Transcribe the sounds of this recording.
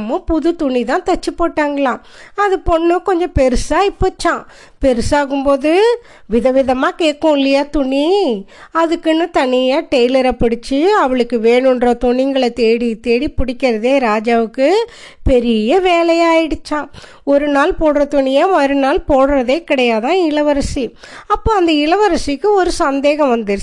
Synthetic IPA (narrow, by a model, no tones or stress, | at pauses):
mɐ̃pʊðɯt̪ʊɳit̪ãːt̪ɐt͡ʃːɯpːoːʈːaːŋɡɐɭãː | ɐðɯpɔɳːɯkɔɲd͡ʒɔ̃pɛɾɯsaːɪpːoːt͡ʃːãː | pɛɾɯsaːɣɯmpoːðɯ | ʋɪðɐʋɪðɐmaːkeːʈːõːɪlːɐjaːt̪ʊɳi | ɐðɯkːɯnɯt̪ɐnɪjaːʈɐjlɐɾɐpɐɽɪt͡ʃːɯɐʋɐɭɯkːɯʋeːɳɯndrɐt̪ʊɳɪŋɡɐɭɐt̪eːɽit̪eːɽipʊɽɪkʲːɪɾɐðeːɾaːd͡ʒaːʋɯkːɯ | pɛɾɪjɐʋeːlɐjaːjɪɽɯt͡ʃːãː | ɔɾɯnaːlpoːɽɾɐt̪ʊɳɪjaːɐɾɯnaːlpoːɽɯɾɐðeːkɪɽɐjaːt̪ãːɪɭɐʋɐɾɐsiɐpːoːɐnd̪ɐɪɭɐʋɐɾɐsikːɯɔɾɯsɐnd̪eːɣɐ̃ʋɐnd̪ɪɾ